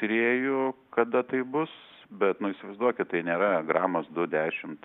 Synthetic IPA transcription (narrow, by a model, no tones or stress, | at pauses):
t̪ʊɾʲeːjʊkɐd̪ɐt̪ɐɪbʊs | bʲɛt̪nʊɪsʲɪʋɐɪzd̪uɔkʲɪt̪̚t̪ɐɪnʲeːɾɐɡɾɑːmosd̪ʊd̪ʲæːʃʲɪmt̪